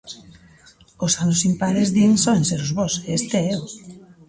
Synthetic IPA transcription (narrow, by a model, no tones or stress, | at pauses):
ʊsanʊsimpaðezðiŋsɔenseɾʊzβɔseest̪eɛo